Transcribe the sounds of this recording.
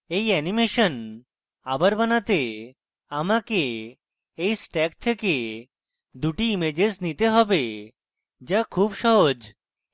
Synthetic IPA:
ejɛnimeʃɔn | abaɾbanat̪e | amake | ejsʈɛkt̪ʰeke | d̪uʈiimed͡ʑeznit̪eɦɔbe | d͡ʒakʰubʃɔɦod͡ʑ

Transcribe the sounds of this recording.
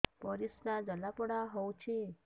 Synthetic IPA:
pəɾisnad͡ʒəlapəɽaɦɔwt͡ʃʰi

